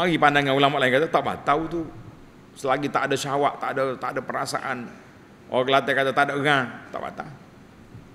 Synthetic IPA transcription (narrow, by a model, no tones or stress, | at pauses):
maɡipandaŋjaulamaʔlainkat̪at̪aʔba̰t̪aut̪u | səlaɡit̪aʔadaʃawaʔt̪aʔdat̪adapəɾasa̰ʔan | o̰klat̪ɛkat̪at̪adaʔŋat̪a̰ʔba̰t̪a